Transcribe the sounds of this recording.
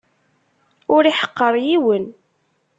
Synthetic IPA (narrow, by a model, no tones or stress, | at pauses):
ʊɾiħə̥qːəɾˤjiwən